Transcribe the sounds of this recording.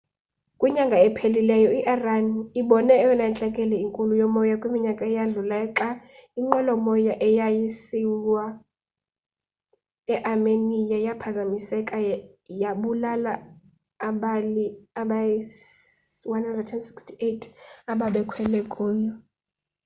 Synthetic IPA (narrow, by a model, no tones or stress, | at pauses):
kʼwiɲaŋɡʱaɛpʰelilɛjɔiʔaraniɓɔnɛːwɛnant͡ɬʼɛkʼɛlɛiŋkʼulujɔmɔjakʼwimiɲakʼaɛjaɮulaɛǁaiŋ͡ǃɛlɔmɔjaʔɛjajisiwa | ɛʔarmenijajapʰazamisɛkʼa | jaɓulalaː | ɓaliaɓa | wanhandradɛndsi̥kstʰietʰaɓaɓɛkʰwɛlɛkʼuːjɔ